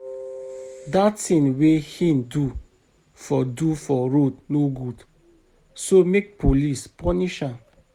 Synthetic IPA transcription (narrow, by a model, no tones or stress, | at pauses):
datĩnwehĩndu | fɔdufɔɹodnoɡud | somek̚pʰolispɔniʃãn